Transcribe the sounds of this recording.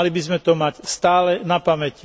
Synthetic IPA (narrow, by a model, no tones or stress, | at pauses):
libizmɛt̪ɔmacst̪aːlɛnapamɛci